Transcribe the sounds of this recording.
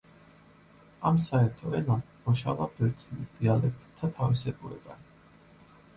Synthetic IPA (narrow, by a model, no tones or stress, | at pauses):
amsaɛɾt̪ʰɔɛna | mɔʃavad̪ɛɾt̪sʼilisd̪̥ialɛk̚ʰt̪ʼt̪ʰːat̪ʰavisɛkʼuɾɛ̰ba